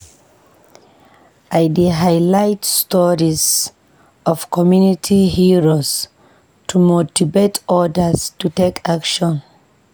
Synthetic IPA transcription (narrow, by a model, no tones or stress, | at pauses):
ʔajdiɦajlajtstɔɹiz | ʔɔv̥kʰɔmjunitʰihiɹoz | tʰumotivetʰɔdəstutekʰakʃɔ̃n